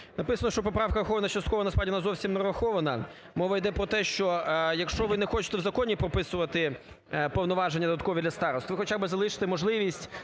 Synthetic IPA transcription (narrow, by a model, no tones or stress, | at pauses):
nɐpɪsɐnɔʃt͡ʃɔpɔpɾɑwkɐɾɐxɔʋɐnɐt͡ʃɐst̪kɔʋɐnɐspɾɑdʲinazɔwsʲimnɐɾɐxɔʋɐnɐ | mɔʋɐjd̪ɛpɾɔt̪ɛʃt͡ʃɔjɐkʃt͡ʃɔʋɪnɛxɔt͡ʃɪ̥t̪ɛwzɐkɔnʲipɾɔpɪsʊʋɐt̪ɪ | pɔwnɔʋɑʒenʲːɐd̪d̪ɐt̪̚kɔʋʲid̪lʲɐst̪ɑɾɔst̪ʋɪxɔt͡ʃʲabɪzɐlˠɪʃɪ̥t̪ɪmɔʒlˠɪʋʲisʲtʲ